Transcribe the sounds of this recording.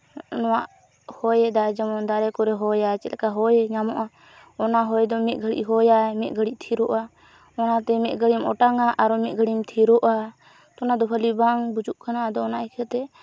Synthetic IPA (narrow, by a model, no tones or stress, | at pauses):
nɔwaʔ | hɔjɛd̪ad͡ʒamɔnd̪aɾɛkɔɾɛɦɔjat͡ʃɛt̪ɛkaɦɔjɛɲamɔʔa | ɔnaɦɔjd̪ɔmɛt̪̚ˀɡʱəɽḭʔɦɔjamɛt̪̚ˀɡʱəɽiʔt̪ʰiɾɔʔa | ɔnat̪ɛmɛt̪̚ɡʱəɽimɔʈaŋaʔaɾɔmɛt̪̚ˀɡʱəɽimt̪ʰiɾɔʔa | t̪ɔnad̪ɔpʰəlibaŋbud͡ʒuʔkʰanaʔad̪ɔːnaʔɛkʰɛt̪ɛ